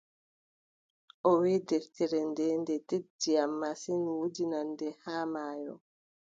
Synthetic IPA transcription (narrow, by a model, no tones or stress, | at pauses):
ʔɔweːdɛftɛɾɛndɛndɛted͡ʒiamːasinwudinandɛhaːmaːjɔ̰